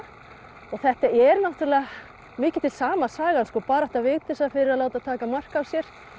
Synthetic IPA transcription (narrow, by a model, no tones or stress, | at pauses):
ɔɣθɛht̪aɛɾnawht̪ɾalɛa | mɪːcɪ̥t̪ʰɪl̥saːmasaːɣanskɔːpaːɾɛht̪avɪːɣt̪ɪsaðfɪɾɪɾaðloːwt̪at̪ʰaːkamar̥kawsjɛɾ̥